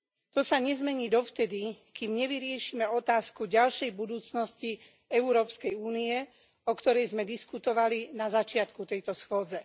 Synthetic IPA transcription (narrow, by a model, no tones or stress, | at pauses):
t̪ɔsaɲɛzmɛɲiːd̪ɔft̪ɛd̪ikimɲɛʋiɾɪɛʃimɛɔt̪aːskuɟalʃɛjbud̪uːt͡snɔsci | ɛuɾɔːpskɛjuːniɛ | ɔkt̪ɔɾɛjzmɛd̪iskut̪ɔʋalinazat͡ʃɪat̪kut̪ɛjt̪ɔsxʊɔːd͡zɛ